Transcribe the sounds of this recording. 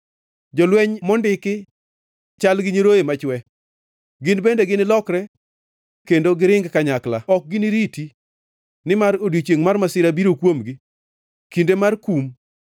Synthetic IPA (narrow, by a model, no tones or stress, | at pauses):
d͡ʒɔlwɛɲmɔndɪkɪ | t͡ʃalɡɪɲiɾojemat͡ʃwɛ | ɡɪnbendeɡɪnɪlɔkɾɛ | kendoɡɪɾɪŋɡkaɲaklaɔk̚ɡɪnɪɾiti | nɪmaɾodit͡ʃjeŋmarmasɪɾabiɾokwomɡi | kindemarkum